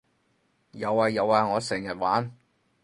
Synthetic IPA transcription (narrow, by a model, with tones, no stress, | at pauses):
jɐ˨˧waː˨˧jɐ˨˧waː˨˧ŋɔː˨˧sɛː˨˩ŋjɐ˨t̚waː˨˥n